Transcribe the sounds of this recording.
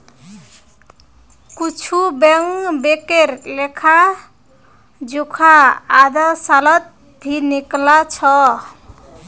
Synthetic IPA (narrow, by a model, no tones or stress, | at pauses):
kut͡ʃʰubeŋbekeɾlekʰa | d͡ʒukʰaːd̪ʌsalʌt̪̚ | bʱiniklat͡ʃʰʌ